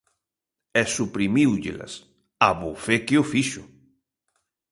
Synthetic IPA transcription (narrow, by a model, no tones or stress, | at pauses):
ɛsupɾimiwʎḛlɐ̰s | aβofekeʊfiʃʊ